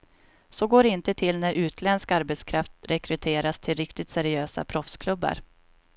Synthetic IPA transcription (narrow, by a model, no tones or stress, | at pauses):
sɔɡoːɾɪnt̪ət̪ʰɪlnæɾʔʉ̟ːt̪ʰlɛnskaɾbɛt̪skʰɾaft̪ɾɛkɾɵt̪ʰeːɾast̪ʰɪlɾɪkt̪ɪt̪sæɾɪøːsa̰pʰɾɔfskʰlɵbːa̰ɾ